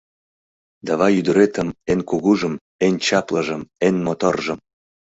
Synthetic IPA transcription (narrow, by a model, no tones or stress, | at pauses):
d̪ɑβɑjyd̪əɾet̪əmenkuɣuʒəm | ent͡ɕɑpləʒəmenmot̪orʒə̆m